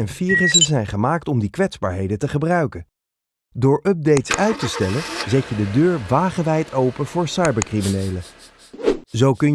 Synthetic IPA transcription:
ɛnfiːrəsəzɛjnχəmaːk̚tɔmdikʋɛtzba̰ːɹɦejdəntəχəbrœɥkən | dʊːɹʔœb̚dejtsœɥtəstɛlənzɛcədədøːɹʋaːχəʋɛjtʰowpənv̥ʊːɹsɑjbəɹkriminejlə | zowkɵn

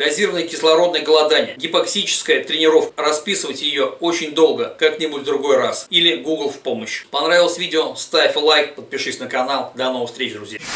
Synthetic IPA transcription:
ɡɐzʲiɾəvənəjkʲɪslˠɐɾo̞d̪nəjəɡəlˠɐd̪anʲɪjəɡʲɪpɐksʲit͡ɕɪ̥skəjət̪ɾʲɪnʲɪɾo̞fkəɾɐspʲisɨvətʲjɪjo̞ot͡ɕɪnʲd̪o̞lˠɡəkaknʲɪbutʲvd̪ɾʊɡo̞jrasilʲɪɡuɡlˠfpo̞məɕːɪ̥pɐnɾavʲɪlˠəsʲvʲidʲɪost̪afʲlˠajkpət̪̚pʲɪʂɨsʲnəkɐnalˠd̪ɐno̞vəfst̪ʲɾʲet͡ɕd̪ɾʊzʲja

